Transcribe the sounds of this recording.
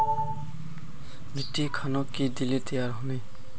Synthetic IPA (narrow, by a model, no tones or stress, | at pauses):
bʱiʈːikʰanɔkːid̪ilit̪əjaɾɦuni